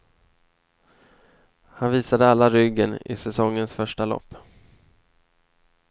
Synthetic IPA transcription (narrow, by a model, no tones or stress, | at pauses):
hanviːsad̪əalːaɾʏɡːənɪ̰sɛsɔŋːənsfœʂʈalɔ̰pː